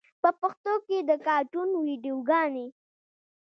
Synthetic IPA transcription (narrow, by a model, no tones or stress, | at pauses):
pəpʊxt̪oked̪əkɑɾʈunwiɖijoɡɑne